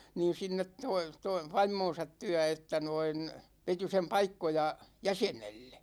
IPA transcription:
niːn̞ sinːet toi toi ʋɑimˑoːn̞sɑt tyæ etːæ noin ʋeti sem pɑikːojɑ jæsenelːe

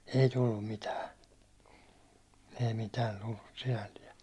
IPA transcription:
ei tulːum mitæː ei mitæːn̞ tulːus sinælːiɛ

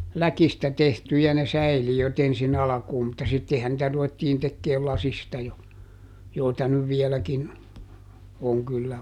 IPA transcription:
lækistæ tehtyjæ ne sæiliøt ensin ɑlɑ̆kuːm mutːɑ sitːehæn nĭtæ ruʋetːiːn tekːeːl lɑsistɑ jo joitɑ nyʋ ʋiɛlækin oŋ kylːæ

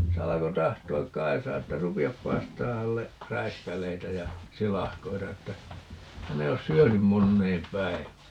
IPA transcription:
se ɑlɑko tɑhtoɑk kɑisɑː etːæ rupiɑp pɑistɑː hælːe ræiskælˑeitæ jɑ silɑhkoitɑ etːæ hæn ei os syønym monːeːm pæiʋæː

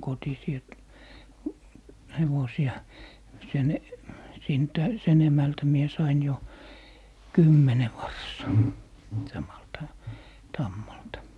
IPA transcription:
kotisiː et heʋosiɑ sen sintæ sen emæltæ mie sɑin jo kymːene ʋɑrsˑɑː sɑmɑltɑ tɑmːɑltɑ

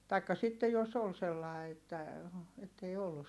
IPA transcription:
tɑikːɑ sitːe jos ol selːɑˑi̯ etːæ etːei olːus

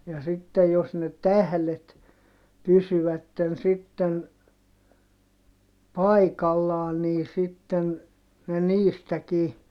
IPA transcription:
jɑ sitːej jos ne tæhlet pysyʋætːen sitːen pɑikɑlːɑːn niː sitːen ne niːstækiː

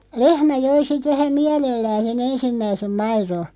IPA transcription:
lehmæ joi sit ʋæhæ miælelːæːn̞ sen ensimːæisem mɑiro

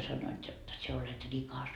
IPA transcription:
sɑnːoit jot sie olet rikɑs

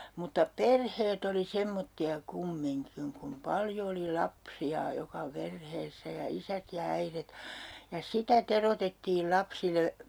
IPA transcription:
mutːɑ perheːt oli semːotːiɑ kumːiŋkiŋ kum pɑljo oli lɑpsiɑ jokɑ perheːsːæ jɑ isæt jɑ æiret jɑ sitæ terotetːiːl lɑpsile

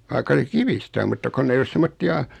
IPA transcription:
ʋɑikːɑ se kiʋistæ om mutːɑ konː ei os semːotːiɑ

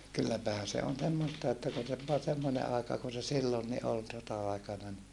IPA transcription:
kylːæpæhæn̞ se on semːostɑ etːæ kun se ʋoɑ semːone ɑekɑ kun se silːonːi ol sotɑɑikɑnɑ ni

